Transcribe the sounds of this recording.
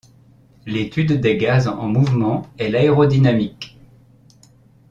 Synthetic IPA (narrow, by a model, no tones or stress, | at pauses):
let̪yd̪ːeɡazɑ̰̃muvmɑ̃ɛlaeʁod̪inamik